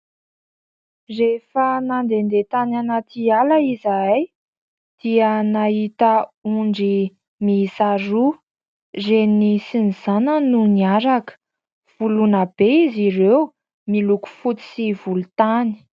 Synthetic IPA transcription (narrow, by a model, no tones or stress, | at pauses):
refənand̪end̪et̪ananat̪ialaizaaj | d̪̥iənaɦit̪əuɳɖ͡ʐi | misaɾu | zenisiniz̥anənuniaɾakə̥ | v̥ulunəb̥eiziɾew | miluku̥fut̪i̥sivulut̪ani̥